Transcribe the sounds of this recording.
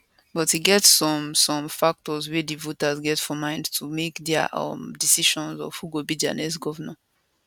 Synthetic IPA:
bɔthiɡɛtsːɔ̃msɔ̃mfak̚tɔzwɛdivotazɡɛtfɔmãɪ̃ndtʰumekdɛʔʌ̰mdisiʃɔ̃nzɔ̰v̥huɡobid͡ʒã̰nɛs̬ɡɔvənə̃

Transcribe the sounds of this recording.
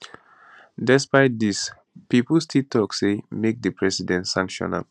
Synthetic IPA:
dɛspaɪt̚dis | pipəl̩stʰiltʰɔksemek̚dəpʰɹɛsidɛ̃ntsãŋkʃɔ̰̃na̰b

